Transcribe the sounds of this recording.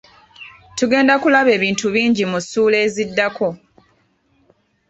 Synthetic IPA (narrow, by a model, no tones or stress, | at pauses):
tuɡe̞ːndakulaβe̞ːβiːntuβiːɲɟimusuːle̞ːzidːakʰo̞